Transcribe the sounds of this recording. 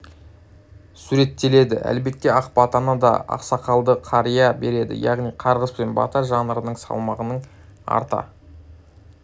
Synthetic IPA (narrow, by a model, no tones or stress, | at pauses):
suɾe̞t̪ːe̞le̞d̪ɪʔæ̰lbe̞k̚t̪ːeɑqpɑt̪ɑnɑd̪ɑ̰ɑ̰qsɑqɑlˠd̪əqʰɑɾijɑbe̞ɾe̞d̪ɪ̰jɑʁnijqʰɑɾʁəspenbɑ̰t̪ɑʒɑnəɾənəɴsɑ̰lˠmɑʁənəɴ | ɑ̰ɾt̪ɑ̰